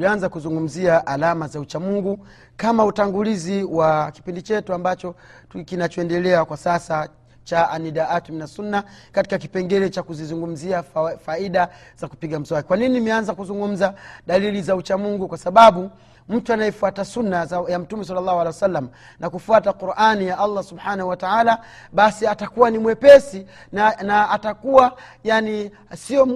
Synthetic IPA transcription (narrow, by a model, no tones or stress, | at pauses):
lianzakuzuŋɡum̩ziaʔalamazaut͡ʃamuŋɡu | kamautaŋɡuliziwaki̥pindit͡ʃɛtuambat͡ʃɔtkinat͡ʃɔɛndɛlɛakwasasa | t͡ʃaʔaniɗaatuminasunːakati̥kaki̥pɛŋɡɛɾɛt͡ʃakuzizuŋɡum̩ziafaiɗaz̥aku̥piɡam̩zwaɛkwaninimɛanzakuzuŋɡum̩zaɗalilizaut͡ʃamuŋɡukwasaɓaɓu | m̩tuanajɛfuatasunːazajam̩tumɛs̬alːalːˠahualɛwɛsalːam | nʔakufuatakuɾanijaʔalˠːasubħanahuwataaːlaɓasiatakuwanimuwɛpɛsinaːtakuwajani | siɔ